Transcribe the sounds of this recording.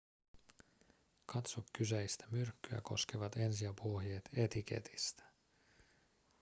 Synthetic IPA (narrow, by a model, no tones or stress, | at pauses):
kʰɑt̪sokːysæist̪æ̥myrkːyæ̰ko̞skeʋɑt̪e̞nsiæpuɦjeːt̪e̞t̪ik̟e̞̰t̪ʰi̥st̪æ̥